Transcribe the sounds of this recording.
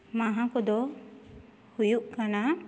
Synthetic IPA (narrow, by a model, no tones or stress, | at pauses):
maɦãkɔd̪ɔ | hujuʔkana